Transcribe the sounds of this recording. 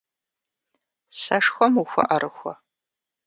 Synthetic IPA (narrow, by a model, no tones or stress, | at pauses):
sɐʂxʷɔmuxʷʊ̰ʔɐɾʔɨxʷɔ̰